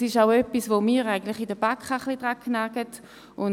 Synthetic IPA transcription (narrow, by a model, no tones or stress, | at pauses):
sɪʃaʊœpːisvomiːɾaɪɡən̩tlɪχidəb̥akχaχlidʁakːnaɡət | ʊn